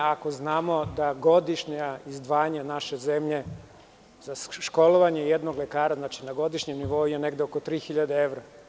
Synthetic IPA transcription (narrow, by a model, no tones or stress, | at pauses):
ako̞znaːmo̞d̪aɡo̞d̪iʃɲaizd̪ʋaːɲanaʃe̞zemʎe̞ | zaʃko̞lˠoʋaɲejed̪noɡlekaːɾaznaːt͡ʃinaɡo̞d̪iʃɲemniʋo̞ujeneɡd̪eokot̪ɾiːxiʎad̪eeʋɾa